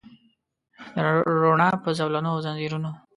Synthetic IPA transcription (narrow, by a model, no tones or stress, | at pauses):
d̪əɾoɳɑpəzawlanozanziɾuno